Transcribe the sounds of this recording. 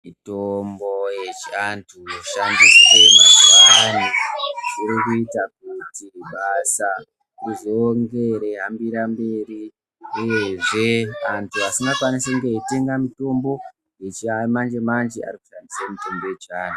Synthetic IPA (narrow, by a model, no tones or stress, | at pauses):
mitombo̞jet͡ʃantʰuoʃandiswe̞mazuaaniʐiɾikuitak̚utiruɓasa | ruʐoŋɡe̞ɾe̞ɦambiɾambe̞ːri | uje̞ʐe̞antʰuasiŋɡakwaniseuŋɡeite̞ŋɡamito̞mbo̞ | jet͡ʃiamand͡ʒe̞mand͡ʒea̰riku̥ʃandisamito̞mbo̞jet͡ʃaːnu